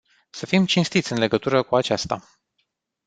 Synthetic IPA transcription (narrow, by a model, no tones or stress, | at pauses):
səfimt͡ʃinst̪it̪sʲɨnle̞ɡət̪uɾəkuat͡ʃast̪a̰